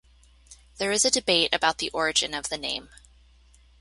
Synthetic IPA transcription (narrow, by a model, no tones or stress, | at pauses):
ðə˞ɨzɨdɨbeɪɾɨ̰baʊt̪̚ðiʔɔɹɨd͡ʒɨ̃nʌvðɨnḛ̃ɪ̃m